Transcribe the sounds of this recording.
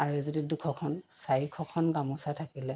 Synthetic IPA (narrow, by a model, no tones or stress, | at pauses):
aɹuɛzodidukʰɔkʰɔnsaɹikʰɔkʰɔnɡamusatʰakilɛ